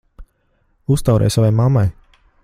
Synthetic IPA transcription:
ust̪awɾʔɛ̰jsavajmamːaj

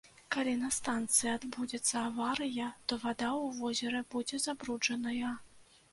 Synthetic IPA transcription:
kalʲinɐst̪ant̪sɨjad̪bud͡zʲɛt̪sːɐːvaɾɨjɐt̪ɔvad̪auvɔzʲɛɾɛbud͡zʲɛzabɾud͡ʐɐnɐjɐ

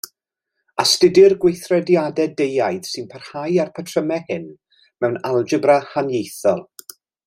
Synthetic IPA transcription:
astɪdɨrɡwejθrɛdjadɛdejajð̥sɨnpʰər̥hajarpʰətʰrəmɛhɪn | mɛwnalˠd͡ʒɪbrahanjejθɔlˠ

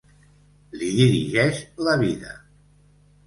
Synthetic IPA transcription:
liðiɾḭʒɛʃləβiðə̰

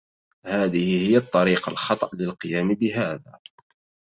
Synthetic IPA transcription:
haːðɪhɪhɪjːat̪ˤːɑɾiːqɑ̰lxɑt̪ˤɑʔlɪlqɨjaːmbɪɦaːða̰ː

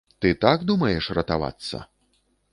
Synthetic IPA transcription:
t̪ɨt̪aɡd̪umɐjɛʂrɐt̪ava̰t̪sːɐ̰

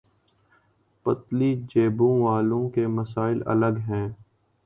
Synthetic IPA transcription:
pət̪liːd͡ʒeːbõːʋaːlõːkemɐsaːɪlɐ̰ləɡɦɛ̃ː

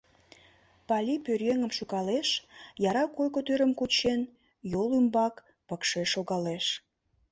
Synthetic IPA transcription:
pɑlʲipørjeŋəmʃuɣɑleʃjɑɾɑkojkot̪øɾəmkut͡ɕen | jolymbɑk | pəkʃeʃoɣɑleʃ

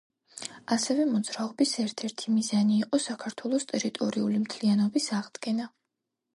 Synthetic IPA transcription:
asɛvɛmɔd̪zɾaɔbisɛɾt̪ʰɛɾt̪ʰimizaniːqʼɔsakʰaɾt̪ʰwɛlˠɔst̪ʼɛɾit̪ʼɔɾiulimt̪ʰlianɔbisaʁd̪ɡɛna

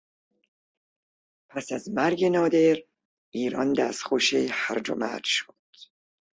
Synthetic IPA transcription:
pʰæsæzmæɾɡenɒːd̪eɾ | iːɾɒnd̪æsxoʃehæɾd͡ʒo̰mæ̰d͡ʒʃo̥d̪̥

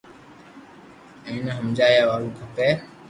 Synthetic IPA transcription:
ẽːnəɦəmd͡ʒaːjaːʋaːlũːkʰəpeː

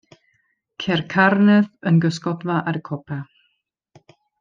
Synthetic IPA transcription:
kʰɛrkʰarnɨðənɡəskɔdvaʔaɾəkʰɔpʰa

